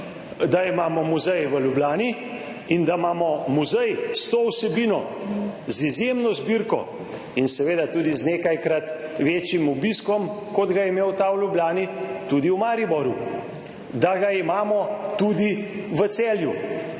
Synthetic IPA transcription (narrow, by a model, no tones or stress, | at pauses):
d̪aimaːmɔmuzɛjʋəlublaːni | ind̪amaːmɔmuzɛjst̪oːwsɛbiːnɔ | zizjemnɔzbiɾkɔ̰ | insɛʋeːd̪at̪uːd̪izneːkajkɾat̪ʋeːt͡ʃjimubiskɔmkɔd̪ɡajɛmewt̪awlʲjublʲaːnit̪ud̪iuwmaːɾibɔɾju | d̪aɡaimaːmɔt̪ud̪iʋət̪sɛːlju